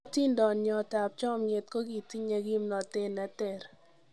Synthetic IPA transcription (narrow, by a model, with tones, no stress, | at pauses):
ti˦ndɔ˨njɔ˨ta˨p̚t͡ʃɔ˦˨mɲe˨t̪̚ko˦ɡi˨ti˦ɲa˨ɡi˦mnɔ˨te˦nɛ˨tɛ˨ɾ